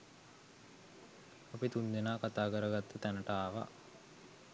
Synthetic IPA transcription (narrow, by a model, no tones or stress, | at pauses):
apit̪und̪enaːkat̪aːkəɾəɡat̪ːət̪ænəʈəaːʋa̰